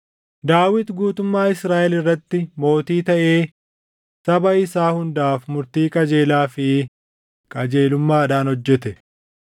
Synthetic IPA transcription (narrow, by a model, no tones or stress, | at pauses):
d̪aːwɪt̪ɡuːt̪ʊmːaːɪsɾaːʔɛlɪrːɐt̪ːɪmo̞ːt̪iːt̪ɐʔe̞ː | sɐbɐɪsaːhʊnd̪aːfmʊɾt̪iːkʼɐd͡ʒeːlaːfɪ | kʼɐd͡ʒe̞ːlʊmːaːɐᶑ̪aːnhɔd͡ʒːɛt̪ɛ